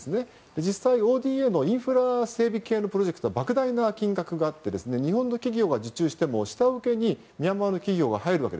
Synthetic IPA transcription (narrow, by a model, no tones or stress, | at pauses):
sɨne̞ | d̪̥e̞d͡ʑisːaio̞ːd̪ʲiːeno̞ĩɰ̃ɸɯ̟ɾase̞ːbʲike̞ːno̞pɯɾo̞ʑe̞kɯ̥t̪o̞abakɯ̟d̪ainakʲĩŋɡakɯ̟ɡaːt̪ːe̞d̪e̞sɨne̞ɲ̟iɦõ̞nːo̞kʲiɡʲo̞ːɡad͡ʑɨt͡ɕɨːɕi̥t̪e̞mo̞ɕi̥t̪aɯ̟ke̞ɲ̟i | mʲiamaːno̞kʲiɡʲo̞ːɡahaeɾɯβa̰ke̞d̪e